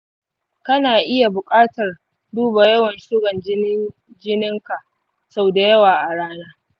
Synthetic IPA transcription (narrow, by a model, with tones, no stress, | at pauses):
kɐ˦naː˨ʔɪ˦ja˨bʊ˨kʼaː˦tɐ˨r | duː˦ba˨jɐ˦wɐ˨nʃʊ˦ɡɐ˨n˦ | d͡ʒɪ˦nɪ˦ŋka˨ʔ | sa˦˨da˨jɐ˦waː˨ʔa˨ɽaː˦naː˦